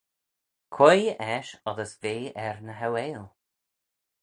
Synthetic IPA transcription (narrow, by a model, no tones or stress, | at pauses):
kʰwɛjɛʃɔðəsveːɛɹnəɦawɛːlˠ